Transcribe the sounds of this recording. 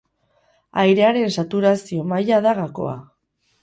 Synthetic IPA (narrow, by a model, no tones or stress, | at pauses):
ajɾe̞aɾe̞nsat̪uɾasio̞majaðaɣako̞̰a̰